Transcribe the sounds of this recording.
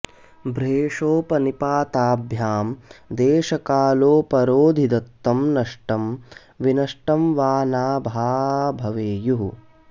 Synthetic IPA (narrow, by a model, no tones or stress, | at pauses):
bɾeːʂoːpɐnipaːt̪aːbʱjaːmd̪eːʃɐkaːloːpɐɾoːd̪ʱid̪ɐt̪ːɐmnɐʂʈɐm | ʋinɐʂʈɐmʋaːnaːbʱaːbʱɐʋeːjuɦ